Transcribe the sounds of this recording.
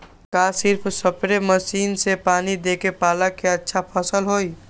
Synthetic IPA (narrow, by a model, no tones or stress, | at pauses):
kasɪɾpʰsəpɾeməsiːnsepaːnid̪ekepaːləkeətːʃʰapʰəsəlɦoj